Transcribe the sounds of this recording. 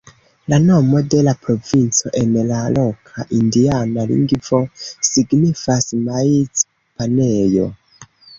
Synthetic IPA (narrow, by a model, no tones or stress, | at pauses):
lano̞mo̞de̞lapɾo̞vint͡so̞ʔenlalo̞kʰa̰ʔindianalḭŋɡvo̞siɡnifasmait͡s | panejo̞̰